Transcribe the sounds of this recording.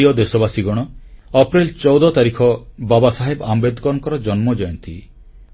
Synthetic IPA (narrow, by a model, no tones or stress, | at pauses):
iɔd̪esɔbasiɡɔɽ̃ɔɔpɾilt͡ʃɔwd̪ɔt̪aɾikʰɔbabasaɦebambed̪ʱɔkɔɾɔŋkɔɾɔd͡ʒɔnmɔd͡ʒɔjɔnt̪ḭ